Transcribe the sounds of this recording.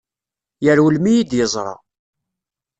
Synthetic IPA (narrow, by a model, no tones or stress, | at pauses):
jəɾwəlmijid̪jəzˤɾˤɑ̰